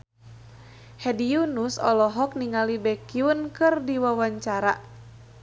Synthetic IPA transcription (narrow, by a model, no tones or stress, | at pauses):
hɛdiunusɔ̰lɔɦɔk̚niŋalibɛkiunkɨrdiwawaɲt͡ʃaɾa